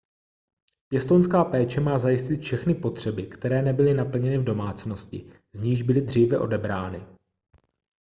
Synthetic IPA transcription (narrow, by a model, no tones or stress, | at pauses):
pjɛst̪onskaːpɛːt͡ʃɛmaːzajɪscɪt̪fʃɛxnɪpo̞t̪r̥ɛbɪkt̪ɛɾɛːnɛbɪlɪnapl̩ɲɛnɪvdo̞maːt͡sno̞scɪ̰ | zɲiːʒbɪlɪd̪r̝iːvɛʔo̞dɛbɾaːnɪ